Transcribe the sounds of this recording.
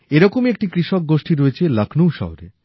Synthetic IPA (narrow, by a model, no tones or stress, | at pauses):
eɾɔkomek̚ʈikɾiʃɔk̚ɡoʃʈiɾoet͡ɕʰelakʰnuwʃɔ̰ɦoɾḛ